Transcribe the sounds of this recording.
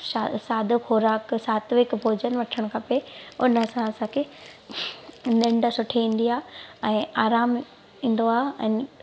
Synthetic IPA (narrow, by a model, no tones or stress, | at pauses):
sasaːd̪ʱxoːɾaːksaːt̪ʋɪkbʱoːd͡ʑənʋɐʈʰəɽ̃kʰɐpeʊnɐsãɐsãkʰe | nɪ̃ɳɖsʊʈʰeiːn̆d̪ijaːɛ̃ːaːɾaːm | ĩːn̆d̪oaːɦɛ̃ː